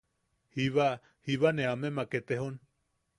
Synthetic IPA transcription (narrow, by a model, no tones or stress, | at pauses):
hiβa | hiβaneamemaket̪eɦon